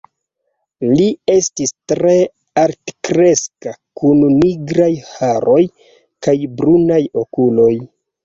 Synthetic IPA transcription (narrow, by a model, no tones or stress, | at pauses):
lie̞stistɾe̞ | aɾtkɾe̞skakunniɡɾajhaɾo̞j | kajbɾunajo̞kulo̞j